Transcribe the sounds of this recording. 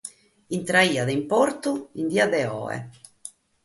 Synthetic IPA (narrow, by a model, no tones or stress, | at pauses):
int̪ɾaiːaðɛimpoɾt̪uind̪iːad̪ɛɔ̰ːɛ̰